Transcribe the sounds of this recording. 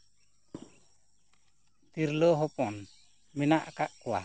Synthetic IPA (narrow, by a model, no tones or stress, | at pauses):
t̪iɾlɔɦɔpɔn | minaʔkaʔkua̰